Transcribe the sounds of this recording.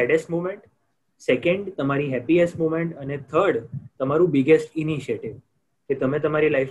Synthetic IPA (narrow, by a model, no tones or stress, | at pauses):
ɖesʈmumeɳʈ | sekẽɳɖt̪əmaɾiɦɛpiesʈmumeɳʈənet̪ʰəɾɽt̪əmaɾũbiɡesʈiniʃieʈiʋ | ket̪əmẽt̪əmaɾilajf